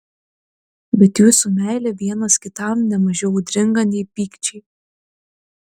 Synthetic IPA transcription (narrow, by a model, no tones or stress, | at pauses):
bʲɛt̪juːsʊmʲæˑɪlʲɛʋʲiɛnɐskʲɪt̪ɑˑmnʲɛmɐʒʲɛʊd̪ʲɾʲɪŋɡɐnʲɛɪpʲiːkt͡ʃʲɛɪ